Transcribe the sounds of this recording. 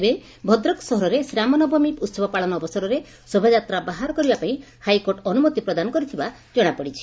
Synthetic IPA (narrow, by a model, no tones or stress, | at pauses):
be | bʱɔd̪ɾɔksɔɦɔɾɔɾesɾamɔnɔbʱɔmiput̪sɔbʱɔpaɭɔnɔːbɔsɔɾɔɾe | sobʱad͡ʒat̪ɾabaɦaɾɔkɔɾibapaĩ | hajkoɾʈɔnumɔt̪ipɾɔd̪anɔkɔɾit̪ʰiba | d͡ʒɔɽ̃apɔɽit͡ʃʰi̥